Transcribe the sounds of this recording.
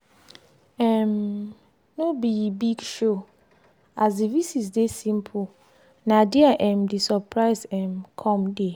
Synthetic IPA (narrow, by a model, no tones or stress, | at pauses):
ɛ̃m | nobibiɡʃo | azdivisisdesĩmpʰu | nãdiaʔɛ̃mdisɔpʰɹaɪsɛ̃mkʰɔ̃mde